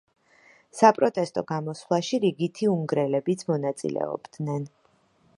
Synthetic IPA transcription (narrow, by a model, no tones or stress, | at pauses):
sapʼɾɔt̪ʼɛst̪ʼɔɡamɔslˠaʃiɾiɡit̪ʰiumɡɾɛlɛbit̪sʰmɔnat̪sʼḭlɛ̰ɔ̰bd̪nɛn